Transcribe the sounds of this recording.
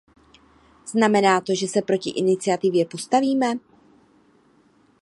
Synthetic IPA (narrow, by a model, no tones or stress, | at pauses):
z̥namɛnaːt̪o̞ʒɛsɛpɾo̞cɪʔɪnɪt͡sɪat̪ɪvjɛpo̞st̪aviːmɛ